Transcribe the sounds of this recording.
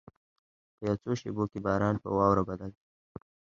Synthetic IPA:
pəjawt͡soʃḛbokebɑːɾɑnpə̰wɑwɾabad̪al

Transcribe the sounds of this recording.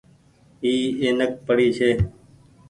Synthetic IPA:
iːeːnək̚pəɽiːsʰeː

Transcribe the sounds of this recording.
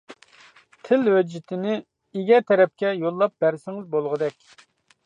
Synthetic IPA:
t̪ʰɪlwɛd͡ʒːɪt̪ʰɪnɪ | ɪɡʲɛt̪ʰɛɾɛp̚kʲɛjolˠːɑp̚bæɾsɪŋɪzbolˠʁəd̪ɛkʲ

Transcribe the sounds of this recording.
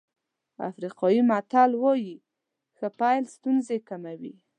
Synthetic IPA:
a̰fɾiqɑjimat̪alwɔji | xəpajlst̪unzekamawḭ

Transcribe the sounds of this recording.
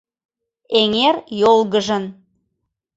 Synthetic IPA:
eŋerjolˠɣəʒən

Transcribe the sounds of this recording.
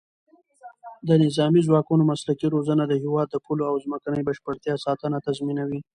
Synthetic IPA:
d̪ənɪzɑmizwɑkunomaslakiɾozənad̪əhɪwɑd̪ːəpʰuloawzməkanəjbaʃpəɽt̪jɑsɑt̪ənat̪azminawi

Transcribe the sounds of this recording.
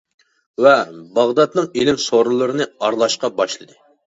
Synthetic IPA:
vɛbɑʁd̪ɑt̪nɨŋelɪmsoɾɨlˠɨɾɨnɨɑɾlˠɑʃqɑbɑʃlˠɨd̪ɨ

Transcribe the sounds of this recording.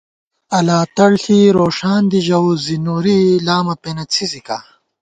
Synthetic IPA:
ɐlaːt̪ɐɽɬiɾoːʂaːnd̪iʑɐwzinuɾilaːmɐpenɐt͡sʰizika

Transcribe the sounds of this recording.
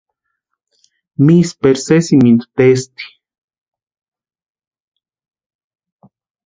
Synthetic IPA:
mispeɾsesimint̪u̥t̪est̪i̥

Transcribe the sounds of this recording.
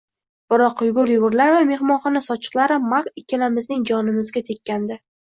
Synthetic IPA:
b̥ɪɾɒqjʊɡʊɾjʊʁʊɾlaɾvame̞hmɒnχɒnasɒt͡ʃʰɨ̥qlˠaɾɪmakɪkʲʰːɪlamɪznɪŋd͡ʒɒnɪmɪzɡʲat̪ʰe̞kʲːand̪ɪ

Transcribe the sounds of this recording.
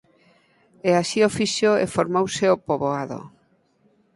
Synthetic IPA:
ɛasiofiʃoefoɾmowseopoβoaðo̰

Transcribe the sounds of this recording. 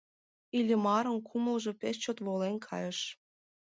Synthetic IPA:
ilʲə̆mɑɾənkʰuməlʒo̽pest͡ɕot̪βolenkʰɑ̰jəʃ

